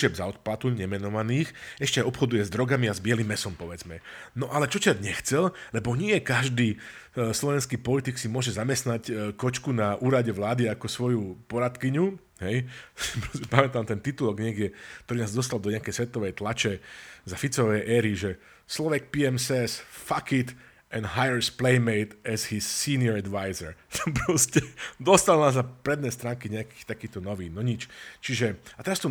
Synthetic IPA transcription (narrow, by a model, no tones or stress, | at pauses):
ʒɛbzaɔt̪̚plat̪uʎɲɛmɛnɔʋaniːxɛʃcɛaɔpxɔd̪ujɛzd̪ɾɔɡamiazbɪɛlimːɛsɔmpɔʋɛd͡zmɛnɔʔalɛt͡ʃɔt͡ʃadɲɛxt͡sɛllɛbɔɲɪɛkaʒd̪iː | slɔʋɛnskiːpɔlit̪iksimʊɔʒɛzamɛst̪nackɔt͡ʃkunaʔuːɾaɟɛʋlaːd̪iakɔsʋɔjupɔɾat̪kiɲu | ɦɛjpɾɔsɛpamɛt̪amt̪ɛnt̪it̪ulɔɡɲɛɡɟɛkt̪ɔɾiːnaːzd̪ɔs̬t̪ald̪ɔɲɛakɛjsʋɛt̪ɔʋɛjt̪lat͡ʃɛzafit͡sɔʋɛjʔɛːɾiʒɛ | slɔʋɛk̚piɛmsɛsfakit̪ | ʔɛnɦajəɹsplɛɪmɛɪt̪ɛzhisːiːnɪɔɾɛd̪ʋajzɛɹpɾɔscɛd̪ɔst̪alnaːznapɾɛd̪nɛːst̪ɾaːŋkiɲɛaki̥t̪akiːt̪ɔnɔʋiːnɔɲit͡ʃt͡ʃiʒɛat̪ɛɾast̪ɔ